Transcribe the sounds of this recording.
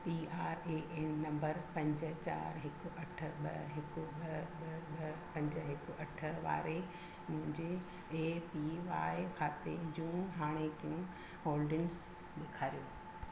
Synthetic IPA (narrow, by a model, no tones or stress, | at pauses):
piaːɾeːʔeːnːɐ̃mbəɾpɐ̃ɲd͡ʑə̆t͡ɕa̰ːɾɦɪkʊʔɐʈʰə̆ɓɐɦɪkʊɓɐɓɓpɐ̃ɲd͡ʑə̆ɦɪkʊɐʈʰə̆ʋa̰ːɾe | mʊ̃ɦɪ̃ɲd͡ʑeː | piʋaːɪkʰaːt̪ḛd͡ʑũːɦaːɽ̃ek̪ijũ | ɦoːlɖɪns | ɗɪkʰaːɾijoː